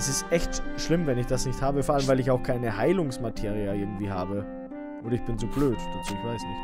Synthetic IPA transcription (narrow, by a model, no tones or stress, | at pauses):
sɪstʔɛçtʃlɪmvɛnɪçd̥asnɪçthaːbəfɔɐʔaləmvaɪlɪçaʊxkʰaɪnəhaɪlʊŋsmatʰeːʁiaʔɪɐɡŋ̩tv̥iːɦaːbə | ʔoːdɐɪçb̥ɪnt͡suːbløːtd̥at͡suːɪçv̥aɪsnɪçt